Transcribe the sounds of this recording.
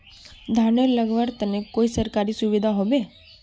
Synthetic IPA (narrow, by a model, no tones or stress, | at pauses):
d̪ʱaneɾləɡʋəɾt̪ənekoisəɾkaɾisuʋid̪ʱaɦobe